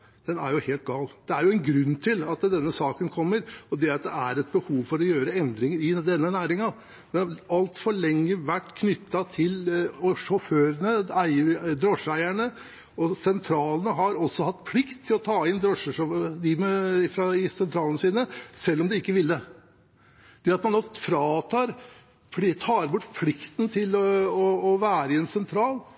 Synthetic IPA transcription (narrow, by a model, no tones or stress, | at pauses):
d̪̥ɛnæ̰ɾjʊheːlt̪̚ɡɑːld̪̥ɛæɾjʊɛnɡɾʉnːt̪ʰɪlɑt̪d̪ɛnːəsɑːkənkʰɔmːəɾɔd̪ɛɾɑt̪̚d̪ɛæɾɛt̪̚bəhuːʋfɔɾɔjøːɾəɛnd̪ɾɪŋəɾɪd̪ɛnːənæːɾɪŋɑ | d̪̥ɛnhɑɾɑlt̪fɔɭɛŋːəʋæʈːkʰnʏt̪ʰːɑt̪ʰɪlɔʂɔføːɾənəæɪəd̪ɾɔʂæɪæɳə | ɔsɛnt̪ʰɾɑːlnəɦɑɾɔsːɔhɑt̪ːpʰlɪkt̪ʰːɪlɔt̪ʰɑːɪnd̪ɾɔʂəʂɔd̪ɪmɛfɾɑɪsɛnt̪ʰɾɑːlənəsiːnəsɛlːɔmd̪ɪɪkːəʋɪlːə | d̪̥ɛɑt̪mɑnd̪oːfɾɑːt̪ʰɑːɾ | pʰɪt̪ʰɑːɾbʊʈːpʰlɪkt̪n̩t̪ʰɪlɔɔːʋæːɾɪɛnsɛnt̪ʰɾɑːl